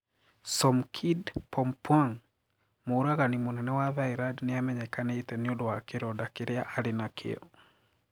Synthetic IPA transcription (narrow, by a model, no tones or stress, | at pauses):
sɔmkʰidpʰɔmpwaŋ | moɾaɣanimonɛnɛwaβaiɾadnɪamɛɲɛkanetɛnɪodowakeɾɔdakeɾeaʔaɾenakʰḛɔ̰